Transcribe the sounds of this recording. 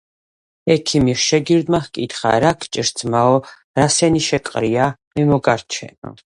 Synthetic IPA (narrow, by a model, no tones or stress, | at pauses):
ɛkʰimiɾʃɛɡiɾd̪mahkʼit̪χa̰ɾakʰt͡ʃʼiɾzʰmaɔ | ɾasɛniʃɛkʼqʼɾiamimɔɡaɾt͡ʃʰɛ̰nɔ̰